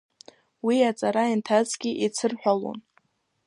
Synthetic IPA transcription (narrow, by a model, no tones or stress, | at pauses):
wiat͡sʼaɾaintʰat͡sɡʲiʔit͡sʰɨrħʷᶣalo̰n